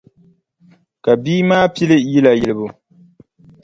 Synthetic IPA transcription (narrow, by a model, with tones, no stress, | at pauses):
ka˨biː˦maː˦pi˦lɪ˦ji˦la˨jɪ˨lɨ˨bʊ˦